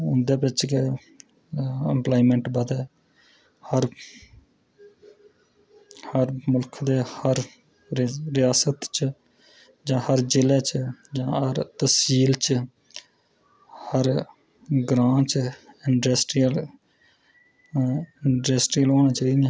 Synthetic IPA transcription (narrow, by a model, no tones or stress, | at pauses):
ʊnd̪eːpɪt͡ʃke | əmplaːimə̃ɳʈbəd̪ɛː | həɾ | həɾmʊlkʰd̪eːhəɾ | ɾɪjaːsət̪t͡ʃ | d͡ʒãːhəɾd͡ʒɪleːt͡ʃd͡ʒãːhəɾt̪əsiːlt͡ʃ | həɾ | ɡɾãːt͡ʃɪɳɖɾesʈiəl | ɪɳɖɾesʈɾiːəloːñaːt͡ʃaːiːd̪e